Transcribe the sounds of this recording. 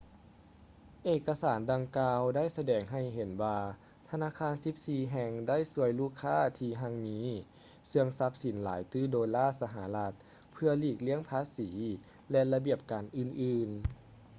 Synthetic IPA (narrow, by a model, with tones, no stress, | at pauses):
ʔeː˨˩kːa˧saː˩˦ndaː˧ŋkaː˧wdaː˥˨jsa˧dɛː˨˩ŋɦa˧˩jɦe˨˦nwaː˧ | t̪ʰa˧naː˧˥˨kʰaː˧˥˨nsi˨˦p̚siː˧ɦɛ˧ŋda˥˩˨jsu˧˦əjluː˥˩kʰːaː˥˩t̪ʰiː˧ɦa˧˥ŋmiː˨˦ | sɯ˧əŋsa˧˦˥p̚si˨˩˦nlaː˨˦jt̪ɯː˥˩˨doː˨˧jlaː˥˩sa˧ɦa˧˩˦la˧˥t̪̚ | pʰɯ˧ɐliː˧˩k̚li˦˥əŋpʰaː˧˥siː˩˦ | lɛ˧la˧bi˧˩əp̚kaː˨˩nʔɯː˧˩nʔɯː˧˩n